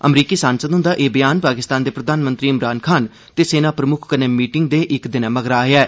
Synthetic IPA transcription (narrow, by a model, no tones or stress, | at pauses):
ə̰mɾiːkiːsãːnsəd̪ɦʊ̃nd̪aːʔeːbəjaːnpaːkɪst̪aːnd̪eːpɾəd̪ʱaːnmə̃nt̪ɾiːɪmɾaːnkʰaːn | t̪eːseːnaːpɾəmʊkʰkəneːmiːʈɪŋɡ̚d̪eːʔɪkd̪ɪnãːməɡɾaːɦeɛː